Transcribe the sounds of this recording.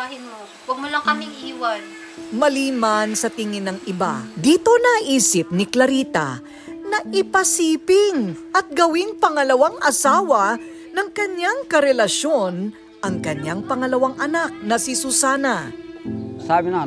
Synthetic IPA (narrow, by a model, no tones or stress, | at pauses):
aɦɪno | wɐɡ̚mʊlakɐmɪŋiwan | mɐliːmansɐt̪ɪŋɪnɐŋʔɪba̰d̪iːt̪o̞nɐʔiːsɪp̚nɪklɐɾiːt̪ɐ̰ | nɐʔɪpɐsiːpɪŋʔɐt̪̚ɡɐwiŋpɐŋɐlɐwaŋʔɐsaːwɐ | nɐŋkɐɲjaŋkɐɾɛlɐʃo̞n | ʔɐŋkɐɲaŋpɐŋɐlɐwaŋʔɐnak̚nɐsisʊsaːnɐ | sabɪna